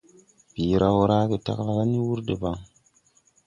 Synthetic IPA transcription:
pi˨ɾa˦wo˦ɾa˦ke˨ta̰˦kla˦ka˦ni˦wu˦ɾde˨ba˦ŋ

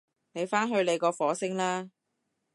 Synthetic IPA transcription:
ne˨˧jfaː˥nɦɵ˧ɥle˨˧jkɔː˧fɔː˨˧˥sɪ˥ŋlaː˥

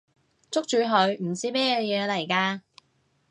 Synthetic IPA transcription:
t͡sʊ˥k̚t͡ʃyː˨˧ɦɵ˨˧ɥm̩˨˩t͡siː˥mɛː˥jɛ˨˧jɛː˨˧lɐ˨˩jkaː˧

